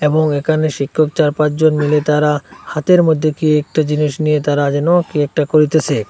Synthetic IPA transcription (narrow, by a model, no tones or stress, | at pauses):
eboŋekʰaneʃikʰːok̚t͡ɕaɾpãt͡ɕd͡ʑonmilet̪aɾahat̪eɾmod̪ʱːekiek̚ʈad͡ʑiniʃnijet̪aɾad͡ʑɛnokiɛk̚ʈakoɾit̪et͡ɕʰe